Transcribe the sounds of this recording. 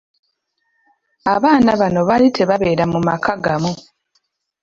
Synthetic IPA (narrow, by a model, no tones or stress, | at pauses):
aβaːnaβano̞βalitʰe̞βaβe̞ːɾamumakʰaɡamu